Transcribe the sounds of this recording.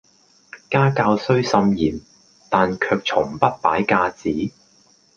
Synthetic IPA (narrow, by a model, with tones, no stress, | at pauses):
kaː˥kaː˧wsɵ˥ɥsɐ˧mjiː˨˩n | t̪aː˨nkʰœː˧k̚t͡ʃʰʊ˨˩ŋpɐ˥t̚paː˨˥jkaː˧t͡siː˨˥